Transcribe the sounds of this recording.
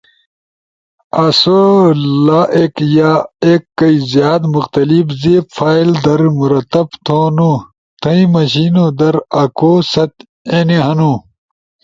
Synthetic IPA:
ɐsolaːʔeːkjaeːkːɐizjaːd̪muxt̪ɐlibzefʰaːild̪ɐɾmuɾɐt̪ːɐbt̪ʰoːnu | t̪ʰɐ̃ĩmɐɕiːnod̪ɐɾɐkʰoːsɐt̪ | eːneɦɐnuː

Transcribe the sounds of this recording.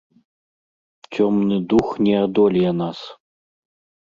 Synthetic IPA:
t͡ɕʲʰomnɨd̪uxnʲiad̪olʲjanɑs

